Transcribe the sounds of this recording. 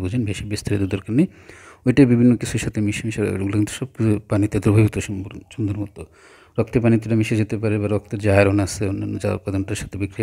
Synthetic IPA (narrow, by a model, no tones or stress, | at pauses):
bud͡ʑʱenbeʃibest̪ʰaɾed̪ud̪oɾkanej | ojʈabibʱinːokit͡ɕʰuɾʃat̪ʰemiʃemiʃa̰ɡulokint̪u̥ʃɔb̚kiupanit̪ed̪ʱuɾbʱabit̪oʃuʃund̪ʱoɾmɔt̪o | ɾɔk̚t̪epanit̪̬eʈamiʃed͡ʑʱet̪epaɾebaɾɔk̚t̪eɾd͡ʑaɦeɾɔnaseunːanːd͡ʑa̰ṵpad̪ɔnʈaɾʃḁt̪ʰebikɾia